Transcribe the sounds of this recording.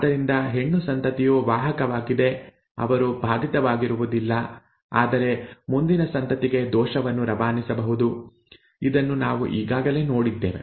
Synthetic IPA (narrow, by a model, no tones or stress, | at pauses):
d̪ɐɾind̪ɐɦe̞ɳːusɐnt̪ɐt̪ijoːʋaːɦɐkɐʋaːɡid̪e̞ | ɐ̰ʋɐɾubʱaːd̪ʱit̪ɐʋaːɡiɾuʋud̪ilːɐ | aːd̪ɐɾe̞mund̪inɐsɐnt̪ɐt̪iɡe̞d̪ɔːʃɐʋɐnːuɾɐbaːnisɐbɐɦud̪u | id̪ɐnːunaːʋṵʔiːɡaːɡɐle̞ːno̞ːɽid̪ːḛːʋe̞̰